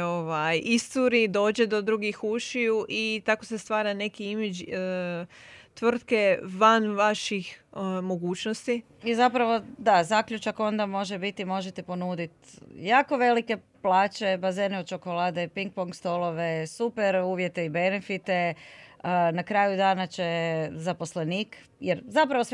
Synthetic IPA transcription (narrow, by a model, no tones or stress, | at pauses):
oʋajist̪uɾid̪o̞ːd͡ʑed̪o̞d̪ɾuɡixuʃiuʔit̪akosest̪ʋaːɾane̞kiimed͡ʑ | t̪ʋr̩t̪keʋanʋaʃixmo̞ɡuːt͡ʃnost̪i | izapɾaʋo̞d̪azakʎut͡ʃako̞nd̪amo̞ʒebit̪imo̞ʒet̪epo̞nuːd̪it̪jaːko̞ʋe̞like̞ | plˠaːt͡ʃe̞bazeːneod̪t͡ʃo̞ko̞laːd̪epiŋk̚poŋkst̪olˠo̞ʋe̞supeɾuːʋjet̪eibe̞nefit̪e̞ | nakɾaːjud̪aːnat͡ʃezapo̞sleniːk | jeɾzapɾaʋo̞s